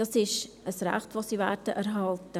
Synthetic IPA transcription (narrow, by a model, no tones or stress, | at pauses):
d̥ɑsɪʃ | əsɾæ̰χtʋoːsivɛ̰ːɾdəʔɛɾɦɑltə